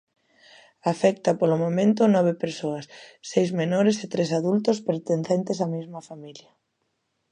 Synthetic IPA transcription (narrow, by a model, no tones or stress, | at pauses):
afɛkt̪ɐpolʊmõmẽnt̪ʊnɔβ̞epeɾsoɐsːejzmenoɾeset̪ɾesaðult̪ospeɾt̪enθent̪esamizmɐfamiljɐ